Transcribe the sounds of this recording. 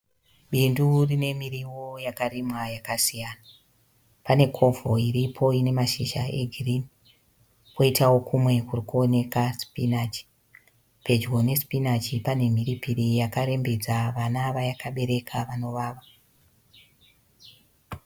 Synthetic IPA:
ɓindurine̞miriwo̞jakarimwajakasijana | pane̞kʰo̞vʱo̞iripʰo̞ine̞maʃiʃa̰e̞ɡʱirini | ko̞itawo̞kʰumwe̞kurikuone̞kaspinat͡ʃi̥ | pe̞d͡ʒɡo̞ne̞spinat͡ʃipane̞m̤iɾipiɾijakaɾe̞mbe̞d͡zaʋanaʋajakaɓe̞ɾe̞kʰaʋano̞ʋaːʋa

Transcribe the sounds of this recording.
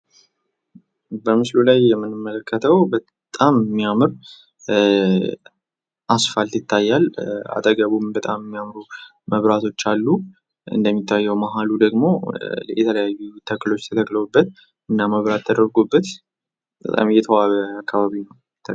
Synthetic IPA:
bəmɨslulajːɛmːɨnɨmːələkːət̪ʰəwbə | t̪ʼammːiamɨɾ | ʔasfalt̪jɪt̪ʰːajːala̰t̪ʼəɡəβumbət̪ʼamɨmːijamɾu | məβɾat̪ʰo̞t͡ʃːalːu | ɨ̰nd̪əmːit̪ːajːɛwmaɦalud̪əɡmo̞jɛ̰t̪ʰələjajːut̪ʰəkːɨlo̞t͡ʃːt̪ʰət̪ʰəkləwubːət̪̚ | ɨnːaməβɾat̪ʰːəd̪əɾɡubːət̪ | bə̰t̪ʼa̰mjɛt̪ʰəwaβəakʰːaβaβinəw | t̪ʰə

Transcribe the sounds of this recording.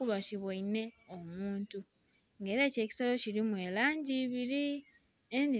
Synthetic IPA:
kuβaciβoine̞omuːntu | ŋɡe̞ːɾe̞ːce̞ːci̥solo̞ciɾimwe̞ːlaːɲɟiːβiɾi | endi

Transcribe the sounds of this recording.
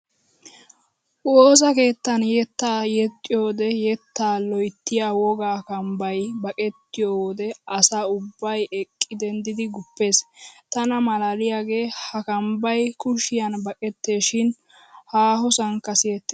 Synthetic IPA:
ʔoːsɐke̞ːt̪ːɐnjɛt̪ːaːjɛt̪ʼːɪjo̞ːd̪ɛjɛt̪ːaːlɔjt̪ːɪjawɔɡaːkɐmbɐjbɐkʼɛt̪ːɪjoːwd̪ɛɐsaːʊbːɐjɛkʼːɪd̪ɛnd̪ɪd̪ɪɡʊpːe̞ːst̪ɐnɐmɐlaːlɪjaːɡe̞ːhɐkɐmbɐjkʊʃɪjɐnbɐkʼɛt̪ːeːʃɪn | haːɦɔsɐŋkːɐsɪjɛt̪ːe

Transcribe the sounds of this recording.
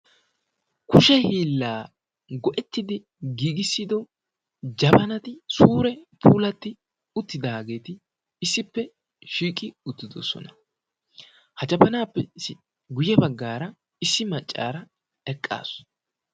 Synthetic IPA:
kʊʃɛhiːlːaː | ɡɔʔɛt̪ːɪd̪ɪ | ɡiːɡɪsːɪd̪ɔ | d͡ʒɐbɐnɐt̪ɪsuːɾɛpʰuuːlɐt̪ːɪ | ʊt̪ːɪd̪ɐɡe̞ːt̪ɪ | ɪsːɪpːɛ | ʃiːkʼɪʊt̪ːɪd̪ɔ̰sɔ̰nɐ | hɐt͡ʃɐpɐnaːpːɛsɪ | ɡʊjɛbɐɡːaːɾɐ | ɪsːɪmɐt͡ʃʼːa̰ːɾɐ | ɛkʼːa̰ːs

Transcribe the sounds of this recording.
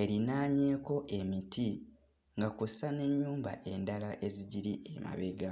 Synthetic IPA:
e̞ɾinaːɲe̞ːko̞ʔe̞miti | ŋɡakussane̞ɲːuːmba̰ʔe̞ndalaʔe̞ziɟiɾiʔema̰βe̞ɡa

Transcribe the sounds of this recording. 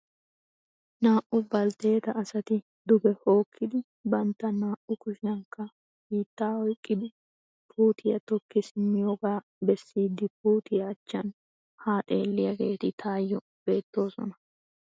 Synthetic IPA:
naːʔʊbɐlt̪e̞ːt̪ɐʔːsɐt̪ɪ | d̪ʊbɛho̞ːkʰːɪd̪ɪ | bɐnt̪ːɐnaːʔʊkʊʃɪɐŋkːɐ | biːt̪ːaːɔjkʼːɪd̪ɪ | pʰuːt̪ʰɪjɐt̪ɔkːɪsɪmːɪjoːɡaː | bɛsːiːd̪ːɪp̚uːt̪ɪjɐːt͡ʃːɐn | haːt̪ʼe̞ːlːɪjɐɡe̞ːt̪ɪt̪ʰaːjːɔ | b̥e̞ːt̪ːo̞ːsɔ̰nɐ

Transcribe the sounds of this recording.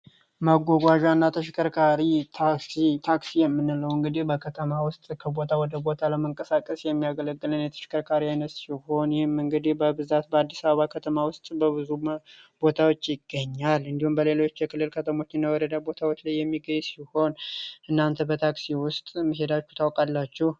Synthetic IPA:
maɡʷoɡʷaʒanːat̪ʰəʃɪkʰʼəɾkʰaɾit̪ʰaksit̪ʰaksijɛmːɨnːɨləwɨŋɡɨd̪ihbəkʰət̪ʰəmawʊst̪ʼkʰəbo̞t̪ʰawɔd̪əbo̞t̪ʰaləməŋkʼəsakʼəsjɛmːijaɡələɡːɨlɨnjɛt̪ʰə̥ʃɪ̥kʰʼəɾkʰaɾiajnət̪siho̞njhɪmɨŋɡɨd̪ihbəbɨzat̪̚bəad̪ːisaβəβakʰət̪ʰəmawʊst̪ʼbəβɨzub̥o̞t̪ʰawo̞t͡ʃːjɪɡːəɲːalɨnd̪ihumbəle̞lo̞t͡ʃːjɛkʰɨlːɨlkʰət̪ʰəmo̞t͡ʃːɪnːawɔɾəd̪abo̞t̪ʰawot͡ʃːlajːɛmːiɡəɲsiho̞nʔɨnːant̪ʰəbət̪ʰaksiwʊst̪ʼməɦe̞d̪at͡ʃːu̥t̪ʰawkʼalːat͡ʃːɛh

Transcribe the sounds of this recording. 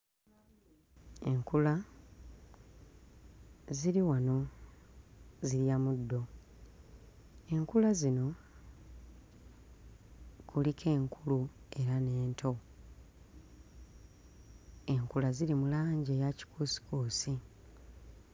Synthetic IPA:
e̞ŋkula | ziɾiwano̞ | ziɾjamudːo̞ | e̞ŋkulazino̞ | kʰulikʰe̞ːŋkʰulue̞ɾane̞ːntʰo̞ | e̞ŋkulaziɾimulaːɲɟejaci̥kʰuːsi̥kuːsi

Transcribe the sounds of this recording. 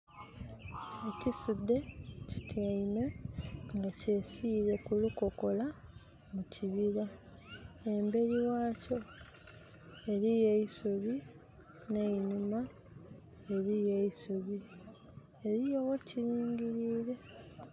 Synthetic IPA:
ecisud̪ːe̞ci̥tjainweŋɡace̞siɾe̞kuluko̞ko̞la | muciβiɾa | embe̞ɾiwaːco̞ | eɾijeisoβi | ne̞inuma | eɾijeisoβi | eɾijoweciɾiːɲɟiɾiːɾe̞

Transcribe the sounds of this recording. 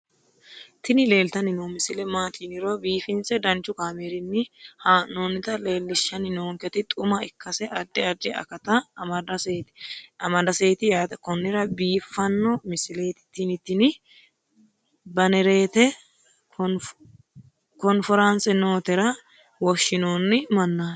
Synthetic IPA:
t̪ɪnɪle̞ːlt̪ɐnɪnoːmɪsɪlɛmaːt̪ʰiːnɪɾobiːfɪnt͡sɛd̪ɐnt͡ʃːʊkaːmeːɾɪnːɪhanoːnːɪt̪ɐleːlːɪʃːɐnɪnoːŋkɛt̪ɪt̪ʼʊmɐɪkːɐsɛʔɐɾd̪ːɪɐɾd͡ʒ̪ɛɐ̰kɐt̪ɐːmɐd̪ɐseːt̪ɪ̥ɐmɐd̪ɐseːt̪ɪjaːt̪ɛkɔnːɪɾɐbiːfːɐnːɔmɪsɪle̞ːt̪ɪ̥t̪ːinɪt̪ːɪnɪ | bɐnɛɾe̞ːt̪ɛ | kɔnfɔɾansɛnoːt̪ɛɾɐ | wɔʃːɪnoːnːɪmɐnːaː

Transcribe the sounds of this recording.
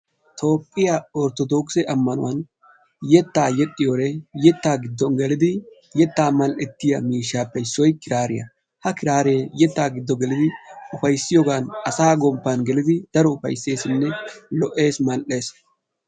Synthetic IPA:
t̪ʰoːpʼːɪjaɔɾt̪ɔd̪oːksɛʔɐmːɐnʊwɐn | jɛt̪ːaːjɛɗʼːɪjoːɾejɛt̪ːaːɡɪd̪ːɔnɡɛlɪd̪ɪ | jɛt̪ːaːmɐlʔɛt̪ːɪjɐ̰miːʃːaːpːɛɪsɔjkɪɾaːɾɪjɐ̰ | hɐkɪɾaːɾeːjɛt̪ːaːɡɪd̪ːɔɡɛlɪd̪ɪʊfɐjsːɪjɔːɡaːnɐsaːɡɔmpːanɡɛlɪd̪ɪd̪̥ɐɾɔʊfɐ̰jse̞ːsɪnːɛlɔʔe̞ːsmɐlʔe̞ːs

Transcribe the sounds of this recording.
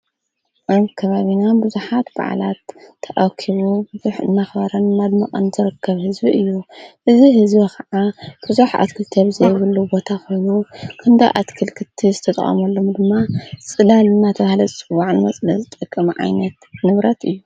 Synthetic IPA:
ʔaβkʰɐβaβinabɨzuħat̪ba̰ʕ̰lat̪ʰː | ɐʔakʰiβubɨzuħɨ̰nːaxβɐɾɐnmad̪moqʼɐnzɨɾɨkʰːɐβhɨzbiʔɨjːuʔɨziɦɨzbikʰɐʕab̥ɨzuħa̰t̪kʰɨlt̪ʰeβzɐjβɨlːubo̞t̪ʰakʰo̞jnukʰɐnd̪a̰ʔa̰t̪kʰɨlkʰɨt̪ʰizɨt̪ʰɐt̪ʼɐ̰χʼɐ̰mɐlːomd̪ɨmːat͡sʼɨlalɨnːat̪ʰɐβahlɐt͡sʼɨwːaʕnɨmɐsʼlɐzɨt̪ʼɐkʼːɐmʕa̰jnɐt̪nɨβɾɐt̪ɨjːu

